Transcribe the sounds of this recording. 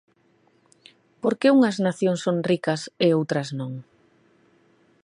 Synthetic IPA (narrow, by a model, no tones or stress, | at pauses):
poɾkeuŋɐznaθjoŋsoŋrikɐseowt̪ɾɐznõŋ